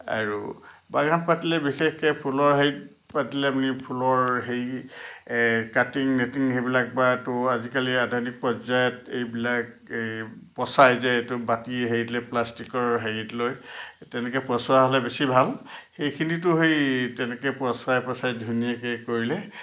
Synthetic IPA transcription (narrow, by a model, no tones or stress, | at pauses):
a̰ɹṵbaɡʱanpatilɛbixexkɛpʰulɔɹɦeɹit̚ | patilɛapunipʰulɔɹɦej | katiŋnetiŋɦejbilak̚batʊazikaliadʱɔɹnik̚pɔzajɔtejbilak | pɔsajzɛtʊbatiɦeitlɛplastikɔɹɦejitlojtɛnɛkɛpɹɔswaɦɔlɛbesibʱalxejkʰinit̬ʊɦejtɛnɛkɛpɹɔsʊajpɹɔsajdʱunijakɛkoɹilɛ